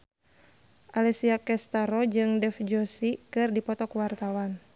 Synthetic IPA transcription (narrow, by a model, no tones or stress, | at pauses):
ʔalɛsiakɛst̪aɾɔd͡ʒɨŋdɛfd͡ʒɔsikɨrdipɔt̪ɔkuwart̪awan